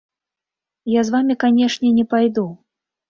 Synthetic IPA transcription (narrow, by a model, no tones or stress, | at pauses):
jazvamʲikanʲɛʂnʲɛnʲɛpajd̪u